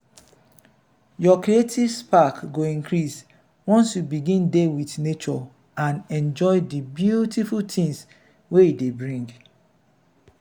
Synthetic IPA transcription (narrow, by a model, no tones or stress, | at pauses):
jɔkɾietʰivspakɡoĩŋkɹis | wɔ̃nsjubiɡĩndewiθnet͡ʃɔ | ãnɛ̃nd͡ʒɔɪdibjutifultĩŋs | weidebɹĩŋɡ